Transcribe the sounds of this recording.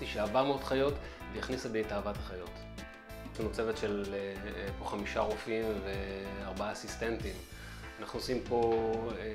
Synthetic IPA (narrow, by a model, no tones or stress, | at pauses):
tiʃeaːvaʁmeo̞d̥χajo̞t | vejiχnisebetaːvathaχajo̞t | tumot͡sevet̪ʃel | po̞χamiʃaʁofimveaʁbaaːsist̪entim | anaχnuosimpo̞